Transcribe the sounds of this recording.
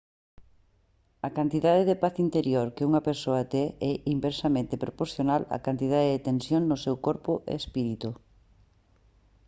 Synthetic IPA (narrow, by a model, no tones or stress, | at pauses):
ɐkant̪iðaðeðepaθint̪eɾjoɾkeuŋɐpeɾsoɐt̪ɛɛʔimbeɾsamẽnt̪epɾopoɾθjonalɐ̰kant̪ið̞aðeðet̪ensjoŋnʊsɛwkoɾpʊʔḛspiɾit̪u